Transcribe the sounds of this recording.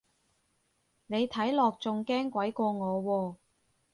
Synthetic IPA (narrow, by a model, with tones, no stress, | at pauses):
ne˨˧jt̪ʰɐ˨˥jlɔː˨k̚t͡sʊ˨ŋkɛː˥ŋkʷɐ˨˥jkʷɔː˧ŋɔː˨˧wɔː˧